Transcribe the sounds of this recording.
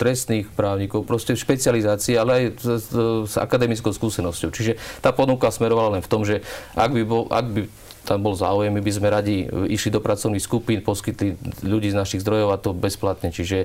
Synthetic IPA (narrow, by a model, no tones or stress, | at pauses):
t̪ɾɛst̪niːxpɾaːʊɲikɔʊpɾɔscɛʃpɛt͡siɪalizaːt͡siːalɛaj | z̥a̰kad̪ɛmit͡skɔʊskuːsɛnɔscɔʊt͡ʃiʒɛt̪aːpɔnukasmɛɾɔʋalalɛnft̪ɔmʒɛʔa̰ɡbibɔʔa̰ɡ̚bi | t̪ambɔlza̰ːujɛmːibizmɛɾaɟiiʃlid̪ɔpɾat͡sɔʊnixskupiːnpɔskit̪liʎuɟiːznaʃiɣzd̪ɾɔjɔʊat̪ɔbɛsplat̪ɲɛt͡ʃiʒɛ